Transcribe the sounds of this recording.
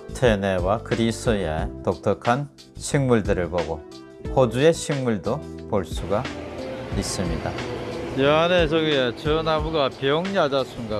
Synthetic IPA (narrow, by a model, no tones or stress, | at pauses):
tʰene̞wakɯɾisojetok̚t͈ʌkʰan | ɕʰiŋmuɭdɯɾɯɭboɡo | kod͡ʑue̞ɕʰiŋmuɭdopoɭs͈uɡa | is͈ɯmɲidajeanes̬ʰoɡiet͡ɕʌnamuɡapjʌŋɲad͡ʑasʰuŋɡa